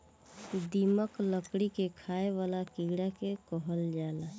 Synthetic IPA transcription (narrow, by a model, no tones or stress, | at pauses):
kid̪iməkləkɽikekʰaeʋaːlakiɡɽakekɔɦəld͡ʒaːla